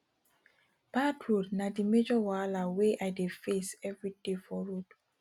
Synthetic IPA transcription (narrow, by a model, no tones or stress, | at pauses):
b̥adɹodnadimed͡ʒɔwalaweʔajdefesɛvɹidefɔɹod